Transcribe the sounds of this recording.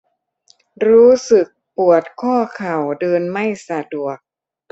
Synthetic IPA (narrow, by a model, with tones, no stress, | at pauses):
ɾuː˦˥sɯ˨˩k̚pu˨˩ət̪̚kʰɔː˥˩kʰa˨˩wdɤː˧nma˥˩jsa˧du˨˩ək̚